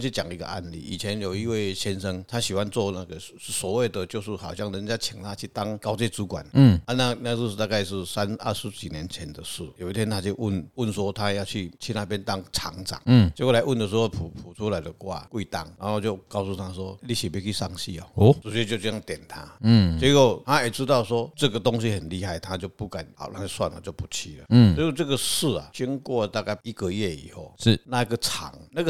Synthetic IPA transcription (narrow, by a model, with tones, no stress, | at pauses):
t͡ɕʰy˥˩t͡ɕja̰˨˩ŋi˧˥ɡə̰˧ʔa̰˥˧nlḭ˥˩i˨˩t͡ɕʰjɛ˧˦njo˨˩ʊi˧˥we˥˩ɪɕjɛ˦nʂə˦ŋt̪ʰa˦˥ɕi˨˩xwa˦nt͡swɔ˥˧na˥˧ɡə˨˥˩swɔ˨˧˦we˥˩ɪd̪ə˨˩t͡ɕjo˥˧ʊʂ̩˥˩xɑ˨˩ʊɕjɑ˥˩ŋɻə˧˦nt͡ɕja˦˥t͡ɕʰi˨˩ŋt̪ʰa˥˩t͡ɕʰy˥˩t̪ɑ˥ŋka˥ʊt͡ɕjɛ˥˧t͡su˧˥kwa̰˨˩˦n̩˥˩a˧na˥˧na˥˧ʂ̩˥˧˥t̪a˥˧ka˥˧ɪʂ̬ɻ̩˥˩sa˦nə˥˩ʂɻ̩˧˦t͡ɕi˨˩njɛ˨˧˦nt͡ɕʰjɛ˧˦nd̪ə˨ʂɻ̩˥˩jo˨˩ʊi˥t̪ʰjɛ˥nt̪ʰa˥t͡ɕjo˥˧ʊʔu˥˩nʊ˥˩nswɔ˥t̪ʰa˦jɑ˥˧ʊt͡ɕʰy˥˩t͡ɕʰi˥˧na˥˧˩pjɛ˥˦nt̪ɑ˥ŋt͡sʰɑ̰˨˦ŋʈ͡ʂa̰˨˩˦ŋ̩˥˩t͡ɕkla˧ɪu˥˩nd̪ə˩ʂ̬ɻ̩˧˥ho˥˧˩pʰu˨˩pʰu˨˩t͡sʰu˦la˨˦ɪd̪ə˨kwa̰˥˧˩kwi˥˧t̪a̰˥˩ŋɻa̰˨˦nho˥˧t͡ɕjo˥˧ʊkɑ˥˧ʊsu˥˩t̪ʰa˦swɔ˦li˥˩ɕi˨˩pi˥˧ki˥˧sa˥˧ŋɕi˥˧ɔ̰˨˩˦t͡s̩˨˩ɕɥɛ˥˧t͡ɕjt͡ɕi˥˧˩ja˥˩ŋt̪jɛ˨˩nt̪ʰa˦˥˩t͡ɕjɛ˧˦ko˥˩ʊt̪ʰa˦e˨˩t͡sɻ̩˥t̪ɑ˥˩ʊswɔ˦t͡sɤ˥˨ɡə˨˩t̪o˦˥ŋɕ̬i˦hə˨˩nli˥˧ha˥˩ɪt̪ʰa˦t͡ɕjo˥˧ʊpu˥˩ka˨˩n̰˨˩˦na̰˥˧ŋa˥˧swa̰˥˨nə̰˨t͡ɕjo˥˩ʊpu˧˩t͡ɕʰi˧lə̰˨˥˩sɔ˧˦ko˥˧t͡sɤ˥˩ɡə˨ʂɹ̩˥˩a̰˨t͡ɕy˥˦ŋkwɔ˥˧˨t̪a˥˧ka˥˩ɪi˥ɡə˨jɛ˥˩ḭ˨˩ho˥˩ʊʂ̩˥˩na˥˧ɡə˨t͡sʰa̰˨˦ŋna˥˧ɡə˨